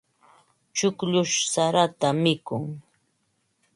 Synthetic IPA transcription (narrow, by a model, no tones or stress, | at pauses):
t͡ʃʊkʎʊʃsaɾat̪amɪkʊŋ